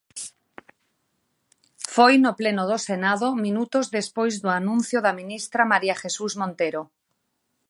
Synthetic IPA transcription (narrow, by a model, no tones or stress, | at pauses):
fojnoplenoðosenaðomĩnut̪ozðespojzðoanũn̟θjoðamĩnist̪ɾamaɾiaxesuzmõnt̪eɾo